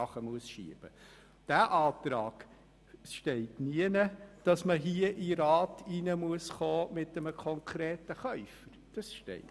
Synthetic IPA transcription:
ɑχəmuəsʃḭəb̥ə | d̥æʔɑːtɾɑ̰ːɡ̥ | ʃtɛɪtniənəd̥ɑsməɦiəʔiɾɑːtʰinəmuəsχoːmɪt̚dɛməkʰɔŋkʰɾeːtəχœʏfəɾd̥ɑsʃtɛ̰ɪ

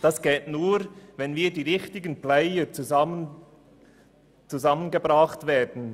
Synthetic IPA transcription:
d̥ɑsɡ̥ɛltnuːɾvɛnviːdiːʁɪçtɪɡənplɛɪət͡suə | t͡suzɑmənɡebʁɑχtveːdn̩

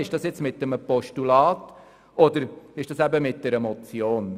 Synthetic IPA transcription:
ɪʃd̥ɑsjɛt͡smɪtːəməpɔʃtulɑːt | ɔdəɾɪʃd̥ɑsæbəmɪt̚d̥ɛɾəmɔt͡sjoːn

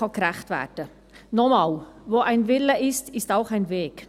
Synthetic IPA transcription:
ɑkɾæχtvæ̰ːd̥ə | nɔmɑːlvoːʔæɪnvɪləʔɪstɪstaʊχæɪnveːk

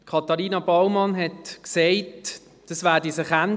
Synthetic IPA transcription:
kʰɑtɑʁiːnɑbawmɑnɦɛtkseɪt | d̥ɑsʋæːdisəχan

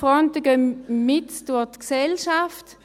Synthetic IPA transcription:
ʁɔntəɡəmɪtd̥ʊɐtksɛlʃaft

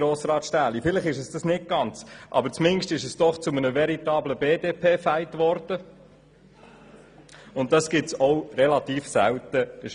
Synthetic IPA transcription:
ɾoːsɾɑːtʃtæːlifɪləχɪʃəsd̥ɑsnɪt̚ɡ̥ɑnt͡sʔɑ̰bəɾt͡smɪnʃtɪʃəsd̥ɔχt͡sʊmənəvɛɾitɑːbləbeːdeːpʰeːfæɪtʋɔɾd̥ə | ʊntdɑsɡ̥ɪtsɔʊɾɛlɑt̪iːfsæ̰wtəəʃ

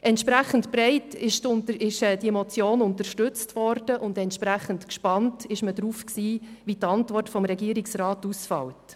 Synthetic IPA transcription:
ʔɛntʃpɾæχən̩tbɾɛɪtɪʃɪʃɛd̥iemɔt͡sjoːnʊntəɾʃtʉt͡stvɔɾd̥əʔʊndɛntʃpɾæχəntkʃpɑntɪʃməd̥ɾuːfksiːʋitɑntvɔrtfɔmɾɛɡiːɾɪksrɑːtusfɑ̰wt

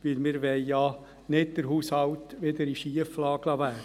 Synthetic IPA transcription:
ʋɪlmɪːɾʋɛɪjɑː | nɪd̚d̪̥əɾɦuːshɑlt̪ʋed̪əɾiʃiəflɑːɡlɑʋæː

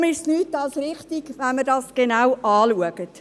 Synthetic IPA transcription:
mɪstnyːtɑlsɾɪχtiɡʋɛnmədɑsɡ̥enawʔɑːluəɡət

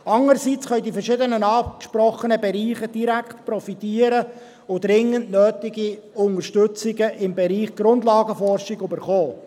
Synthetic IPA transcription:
ɑŋəɾsit͡sχœjdifɛʃɪdənənɑːkʃpɾɔχənəbɛɾiːχəd̥iɾækχt̪prɔfit̪iːəɾə | ʊd̪ɾɪŋəntnøːtɪɡi | ʊnəɾʃtʉt͡sɪɡəʔɪmbɛɾiːχɡ̥ɾʊnd̪lɑːɡəfɔrʃɪɡybəɾχɔː

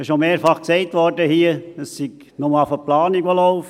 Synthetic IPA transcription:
ɪʃnomeːɾfɑχksɛɪtʋɔrdəhiəəssiɡ | nʊməfəplɑːniɡʋolɔʊf

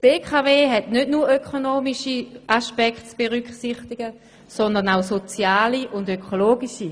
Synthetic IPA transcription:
b̥eːkʰaveːɦɛtnødnuːɐɾøkʰonoːmiʃiaʃpɛktt͡sb̥eʁyksiχtiɡ̥ə | sɔndəʁnaʊsot͡sjaːliʔʊndøkʰoloːɡiʃi

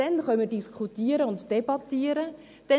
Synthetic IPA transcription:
ɛnχœnmədiskχutiəɾəʊntd̥ebɑtːiːəɾə | d̥ɛ

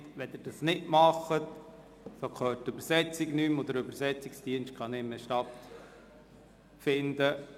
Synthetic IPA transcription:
tʋɛd̪ɪɾd̥ɑsnɪtmɑχət̪ | sokχœːt̚tøbəɾsɛt͡siɡnymod̪əɾøbəɾsɛt͡sɪksd̥iənʃt̚kχɑnɪmːeʃtɑt̪ | fɪnd̪ə

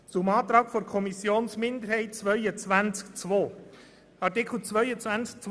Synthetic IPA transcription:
t͡sʊmɑːt̪ɾɑːkfoɾkʰɔmisjoːnsmɪnd̪əɾhɛɪt̚t͡svœʏət͡sʋænt͡skt͡sʋoː | ɑʁtɪkʰl̩ˠt͡sʋœʏət͡sʋænt͡sk̚t͡s

